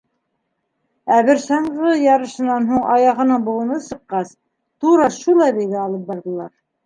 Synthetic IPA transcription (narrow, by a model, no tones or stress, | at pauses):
æβɘɾsɑɴʁɤjɑɾɤ̆ʃɤ̆nːɑnɦuɴɑjɑʁɤ̆nɤɴbulˠɤ̆nɤsɤ̆qːɑs | t̪uɾɑʃulˠɑβijɡæɑlˠɤp̚bɑɾðɤ̆lˠɑɾ